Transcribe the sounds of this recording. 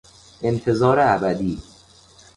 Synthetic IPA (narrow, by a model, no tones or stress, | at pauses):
ʔe̞nt̪ʰe̞zɒːɾeæbæd̪iː